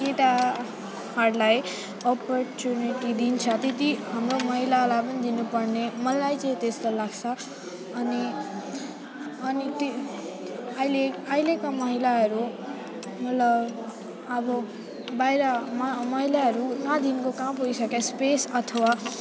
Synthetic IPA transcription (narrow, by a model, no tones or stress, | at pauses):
eʈa | hʌɾlaj | ʌpʌrt͡suniʈid̪int͡sʰʌt̪ed̪iɦamromʌɦilalapʌnid̪inupʌrnemʌlajt͡sʌĩt̪est̪ʌlaɡt͡sʰʌ | ʌni | ʌnit̪ | ʌileʌilekamʌɦilaɦʌɾu | mʌt̪lʌb | ʌbʌ | bajɾʌmamʌɦilaɦʌɾukãd̪inkokãmpoijsʌkjaspesʌt̪ʰʌwa